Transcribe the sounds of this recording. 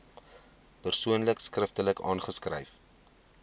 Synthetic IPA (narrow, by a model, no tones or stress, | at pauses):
pərsuənləkskrəftələkɑːnχəskrə̰jf